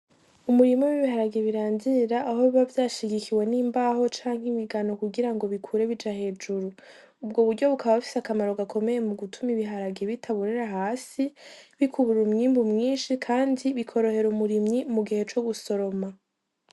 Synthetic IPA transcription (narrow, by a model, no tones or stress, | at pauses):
umuɾimɲowiβiɦaɾaɡeβiɾaːnziɾaʔːɦo̞ββavjaːʃiɡikiwe̞niːmbaho̞t͡ʃaːŋɡimiɡano̞kuɡiɾaŋɡo̞βikʰuːɾe̞βid͡ʒahe̞ːd͡ʒuɾu | ubɡoβuɾɟo̞βukʰaβaβafi̥sakamaɾo̞ɡakʰo̞me̞je̞muɡutʰumiβiɦaɾaɡeβitʰaβuɾeɾaɦaːsiβikʰuβuɾumɲiːmbumŋiːnʃikʰaːndiβikʰo̞ɾo̞he̞ɾumuɾimɲimuɡihe̞t͡ʃo̞ɡuso̞ɾo̞ma